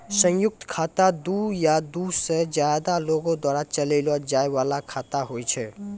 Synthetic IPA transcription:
sə̃ŋjʊk̚t̪kʰat̪ad̪ujad̪used͡ʒjajd̪aloɡõd̪waɾat͡ʃələlɔd͡ʒajʋalakʰat̪aɦojt͡ʃʰɛ

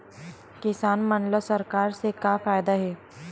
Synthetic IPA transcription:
kɪsaːnmɐnləsɐɾkaːɾsekafaːjd̪aɦɛː

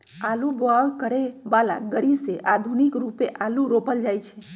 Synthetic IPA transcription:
aluboawkəɾebala̰ɡəɽiseʔad̪ʱunikɾupeʔaluɾopəld͡ʒajt͡ʃʰe

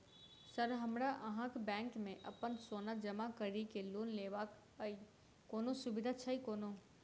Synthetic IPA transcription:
səɾɦəmɾaʔəɦãkebɛ̃ːŋkmẽʔɐpənsoːnad͡ʒɐmakəɾikeluːnleːʋak | əi | koːnosʊbɪd̪ʱat͡ʃʰaikoːno

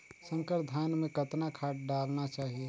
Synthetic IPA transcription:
sə̃ŋkəɾd̪ʱaːnmẽkət̪nakʰaːʈ̚ɖaːlnat͡ʃaːɦie

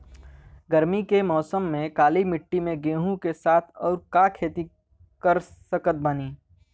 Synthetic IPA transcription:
ɡəɾmikemɔːsəmːẽkaːlimɪʈːimẽɡeːɦũkesaːt̪ʰɔːɾkakʰeːt̪i | kəɾsəkət̪̚bɐniː

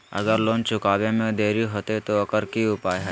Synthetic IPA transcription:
ɐ̰ɡəɾloːnt͡ʃʰʊkaːbẽmẽd̪eːɾiɦoːt̪et̪oɐkəɾkiʊpaːjɦɛ

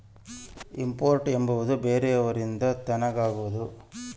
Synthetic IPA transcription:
impoːɾʈe̞mbɐʋud̪ubeːɾeɐʋɐɾind̪ɐt̪ɐnɐɡaːɡuʋud̪u

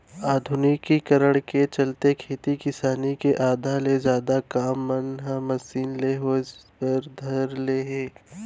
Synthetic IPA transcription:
aːd̪ʱʊnɪkːikɐɾəɽ̃ket͡ʃɐlt̪ekʰeːt̪ikɪsaːnikeʔaːd̪ʱalezjaːd̪akaːmːənɦamɐsiːnleɦopəɾd̪ʱɐɾleːɦẽː

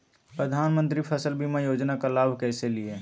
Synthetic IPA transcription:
pɾəd̪ʱaːnmə̃nt̪ɾipʰəsəlbʱimẽjoːd͡ʒnakalaːbʱkɛːselie

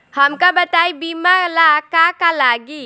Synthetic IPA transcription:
həmkabət̪aibimalakakalaɡi

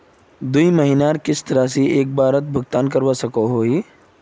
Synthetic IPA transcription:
d̪uiməɦinaɾkɪst̪əɾas̬ieːk̚baːɾət̪̚bʱʊɡ̚t̪aːnkɐɾʋasɐkoɦoːɦiː

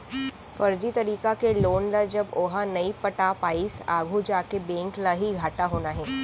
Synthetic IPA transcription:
fɐɾd͡ʒit̪ɐɾiːkakeloːnlad͡ʒɐboːɦanɐipɐʈaːpaːɪisaːɡʱud͡ʒaːkebɛ̃ːŋklaɦiɡʱaːʈaɦoːnaɦɛː

